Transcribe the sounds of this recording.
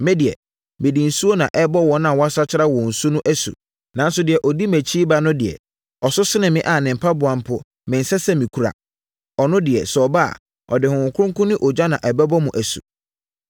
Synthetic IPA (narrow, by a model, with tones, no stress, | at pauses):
mɛ̃˦dɪ˨ɛ̰˨ | mɪ̃˨di˨n̩˨su˦o˦nã˨ʔɛ˦bɔ˦wɔ̃˨nã˨wɔ˦a˦sa˦t͡ɕʰɪ˦ɾa˦wɔ̃˨n̩˨su˦nʊ̃˦ʔæ˦sṵ˨ | nã˨˦n˦sʊ˨˦dɪ˨ɛ˨ʔɔ˨di˦mæ˨t͡ɕʰi˦ba˦nʊ̃˦dɪ˨ɛ̰˨ | ɔ˨sʊ˦sɪ˦nɪ̃˨mɪ̃˦ʔa˨nɪ̃˨m̩˨pʰa˦bʊ˨ã˨m˦pʰʊ˦ | mɪ̃˨n̩˨sɛ˦sɛ˦mĩ˨kʰu˦ɾa̰˨ | ɔ˨nʊ̃˦dɪ˨ɛ˨sɔ˨ba˦a̰˨ | ɔ̰˨dɪ˨hʊ̃˨kʰʊ˦ʊ̃˦ŋkʰʊ̃˦nɪ̃˦ʔɔ˨d͡ʑa˦nã˨ʔɛ˨bɛ˦bɔ˦mʊ̃˨ʔæ˨sṵ˨